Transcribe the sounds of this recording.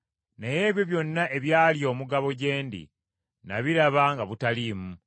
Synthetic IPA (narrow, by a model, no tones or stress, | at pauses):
neje̞ːβjo̞βjo̞nːaʔe̞βjaːljo̞ːmuɡaβo̞ɟe̞ːndḭ | na̰βiɾaβaŋɡaβutaliːmu